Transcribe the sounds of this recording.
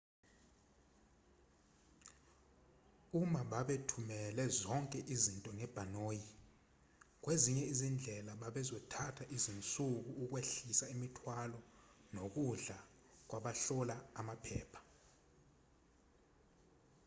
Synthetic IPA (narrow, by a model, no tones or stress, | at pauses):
umaɓaɓetʰumɛlɛzɔŋkʼɛʔizintʼɔŋɛb̥ʱanoːji | k̬weziɲɛizind͡ɮʱɛlaɓaɓɛzɔtʰatʰaʔizint͡sʼuk̬uːk̬ʼweɬisaimitʰwalɔnok̬uɮa | k̬ʼwaɓaɬɔlaamapʰɛːpʰḁ